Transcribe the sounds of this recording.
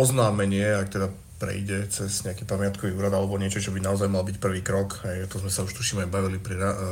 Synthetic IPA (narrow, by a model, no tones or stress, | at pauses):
ɔznaːmɛɲɪɛakt̪ɛd̪a | pɾɛ̰jɟɛt͡sɛsɲɛakiːpamɪat̪kɔʋiːuːɾad̪alɛbɔɲɪɛt͡ʃɔt͡ʃɔbinaɔzajmalbicpr̩ʋiːkɾɔkɦɛjat̪ɔzmɛsauʃt̪uʃiːmajbaʋilipɾiɾa